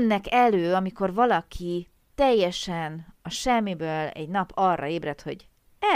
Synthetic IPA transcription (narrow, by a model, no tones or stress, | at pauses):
nːɛkɛløːɒmiko̞rvɒlɒkʰi | t̪ɛjːɛʃɛnɒʃɛmːibøːlɛ̰ɟnɒpʰɒrːɒ̰eːbrɛt̪ho̞̰ɟ | ɛ